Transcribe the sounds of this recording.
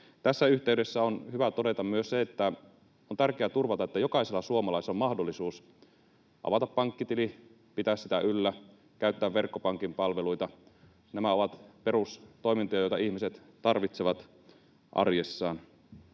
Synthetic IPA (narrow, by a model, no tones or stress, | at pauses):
t̪æsːæyht̪eyɥdesːæonhyʋæt̪ode̞t̪ɑmmyøsseet̪ːæ | ont̪ærkeæt̪urʋɑt̪ɑet̪ːæjo̞kɑiselːɑsuomɑlɑiseomɑhdolːisuːs | ʔɑ̰ʋɑt̪ɑppɑŋkːit̪ili | pit̪æːssi̥t̪æʔylːæ | kæyt̪ːæːʋʋe̞rkːopɑŋkimpɑlʋeluit̪ɑ | næmæo̞ʋɑt̪pe̞rust̪o̞imint̪ojɑjo̞jt̪ɑihmiset̪ | t̪ɑrʋit̪seʋɑt̪ | ʔɑ̰rjesːɑːn